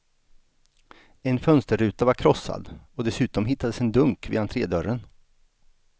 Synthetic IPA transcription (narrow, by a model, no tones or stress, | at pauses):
ɛnfœnst̪əɾʉ̟ːt̪avaɾkʰɾɔsːa̰d̪ɔd̪ɛsʉ̟ːt̪ɔmɦɪt̪ːad̪əsɛnd̪ɵŋkvḭːant̪ʰɾeːd̪œɾən